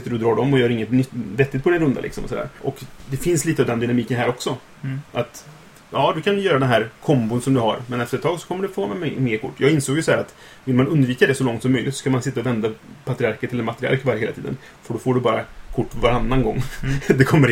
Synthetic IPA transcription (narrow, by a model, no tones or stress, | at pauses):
ɪt̪ːəɖɵd̪ɾɑːɖɔmːɔjœːɾɪŋːət̪nʏt̪ːvɛt̪ːɪɡt̪̚pʰɔd̪ɛnɾɵnd̪a̰lʔɪksɔmɔ̰sɔd̪æ̰ːɾʔɔkd̪ɛfɪnsliːt̪əɑːvd̪ɛnd̪ʏnamiːkənɦæːɾɔksɔ | ʔat̪ | jɑːd̪ɵkʰanɵjœːɾad̪ɛnɦæːɾkʰɔmbʊnsɔmd̪ɵhaɾmɛnɛft̪əɾət̪ʰːɑːɡsɔ̥kʰɔmːəɖɛfohamɛmmeːɾkʰʊʈːjɑːɡɪnsoːɡjʉsɔhæːɾat̪ | vɪlmanɵnd̪viːkad̪ɛsɔlɔŋt̪sɔmːœʏjlɪt̪sɔskamansɪt̪ːaɔvɛnd̪apʰat̪ɾɪaɾkəʈʰɪlːɛmat̪ɾɪa̰ɾkvaɾəheːlat̪ʰiːd̪ə̰n | fœɖɔfoːɖɵbɑːɾa̰kʰʊʈːvaɾanːanɡɔŋːd̪ɛkʰɔmːəɾ